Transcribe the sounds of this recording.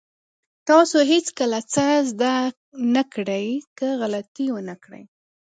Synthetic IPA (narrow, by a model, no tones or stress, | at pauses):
t̪ɑsoɦet͡skəlat͡səzd̪a | nakɽəjkəɣalat̪iwənakɽə̰j